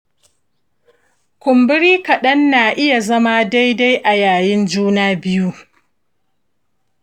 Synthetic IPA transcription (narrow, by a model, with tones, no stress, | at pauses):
kʷʊ˨mbɪ˦ɾiː˦kɐ˨ɗɐ˦nːaː˨ʔɪ˦ja˨zɐ˦ma˦da˦jda˦jʔa˨jaː˨jɪ˦nd͡ʒuː˦naː˦bɪ˦ju˦